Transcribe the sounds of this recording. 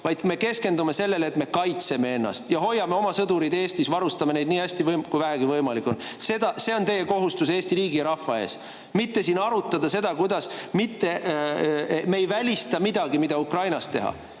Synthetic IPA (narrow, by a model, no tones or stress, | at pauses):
vɑjd̪me̞ke̞ske̞nd̪ume̞se̞lːe̞let̪me̞kɑjt̪se̞me̞e̞nːɑ̰st̪jɑɦo̞jːɑme̞o̞mɑsɤd̪uɾid̪̥e̞ːst̪isvɑɾust̪ɑme̞ne̞jd̪̚niːæsʲt̪ivɤjmkujvæɦæɡ̥ivɤjmɑlikːˑo̞nse̞d̪̥ɑse̞o̞nt̪e̞jːeko̞ɦust̪use̞ːst̪iɾiːɡiɑɾɑfɑe̞ːs | mit̪ːe̞sinɑɾut̪ːˑɑd̪ɑse̞d̪ɑkujd̪̥ɑsmit̪ːe̞ | mejvælʲist̪ɑmid̪̥ɑɡimid̪̥ɑukrɑjnɑst̪e̞̰ɦɑ̰